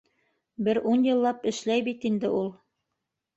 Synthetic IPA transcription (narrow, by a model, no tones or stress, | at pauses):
bɘɾunjɤ̆lˠːɑpɘ̆ʃlæjbit̪ind̪ɘʔulˠ